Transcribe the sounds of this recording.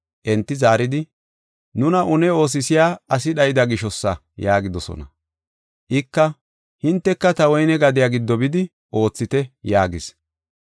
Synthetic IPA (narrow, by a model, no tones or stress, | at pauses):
ʔɛnt̪ːɪzaːɾɪd̪ɪ | nʊnɐʔʊnɛo̞ːs̬ɪsɪjaːɐs̬ɪɗɐjd̪ɐɡɪʃɔsːɐ | jaːɡɪd̪ɔsɔ̰nɐ | ʔɪkːɐ | hɪnt̪ːɛkːɐt̪ɐwɔjnɛɡɐd̪ɪjaːɡɪd̪ːɔbɪd̪ɪ | ʔo̞ːt͡sːɪt̪ɛjaːɡɪs